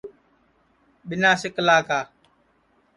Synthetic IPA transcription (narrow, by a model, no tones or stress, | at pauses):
ɓɪnaːsɪkəlaːkaː